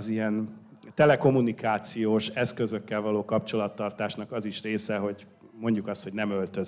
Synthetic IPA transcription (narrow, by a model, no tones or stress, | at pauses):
zijɛn | t̪ɛlɛko̞munikaːt̪sijoːʃɛskø̞zø̞kːɛlvɒloːkɒp̚t͡ʃo̞lɒt̪ːɒrt̪aːʃnɒkɒziʃreːsɛɦo̞ɟ | mo̞ɲɟukɒst̪hoɟnɛmølt̪ø̞z